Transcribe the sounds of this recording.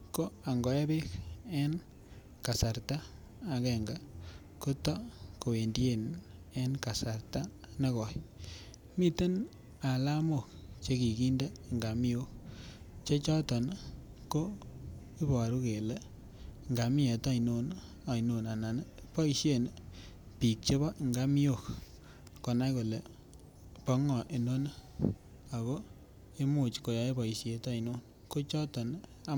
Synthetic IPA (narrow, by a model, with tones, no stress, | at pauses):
ko˦a˨ŋɡɔ˨e˦be˦ke˦n | ka˨sa˨ɾtaː˦˨ | kɛ˨ŋɡa˨ | ko˦tɔ˦ko˨we˨ndi˦e˦n | e˦nka˨sa˨ɾta˦ | na˦kɔ˨j | mi˦te˦n | a˨la˦mo˦˨kt͡ʃe˦ki˨ki˦nda˦˨ŋɡa˨mi˦o˦ | t͡ʃe˦t͡ʃɔ˦tɔ˨n | ko˦ | i˦bɔ˨ɾu˦ke˨le˦ | ŋɡa˨mi˦e˨ta˦i˨no˦n | a˨i˨no˨na˨na˨n˦pɔ˦i˨ʃe˦˨n | pi˨k̚t͡ʃe˦βɔ˦˨ŋɡa˦mi˦o˦˨k | kɔ˨na˦ko˨le˨ | pɔ˦ŋɔ˨ʔe˨no˦n˦ | a˨ko˦ | e˦mo˨t͡ʃko˨ja˨˦e˦bɔ˨i˨ʃe˨˦ta˦i˨no˦n | ko˦t͡ʃɔ˦tɔ˨na˦